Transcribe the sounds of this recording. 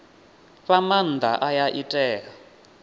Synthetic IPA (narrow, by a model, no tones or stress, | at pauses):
ɸaman̩d̪aʔajaʔitʼɛːa